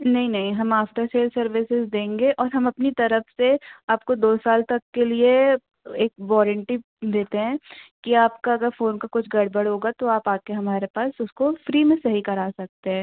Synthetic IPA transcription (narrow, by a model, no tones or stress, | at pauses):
nɐɦĩnɐɦĩɦɐmaːfʈ̪əɾseːlsɐɾʋɪsɪzd̪ẽːŋɡeʔɔːɾɦɐmɐpnit̪ɐɾəfseaːp̚kod̪oːsaːlt̪ɐkːelie | eːk̚ʋɔːɾə̃ɳʈi | d̪eːt̪eɦɛ̃ːkiaːpkaɐɡəɾfoːnkakʊt͡ʃʰɡɐɽ̤bəɽɦoːɡat̪oaːpaːp̚keɦɐmaːɾepaːsʊskofɾiːmẽsɐɦikɐɾaːsɐk̚t̪eɦɛ̃ː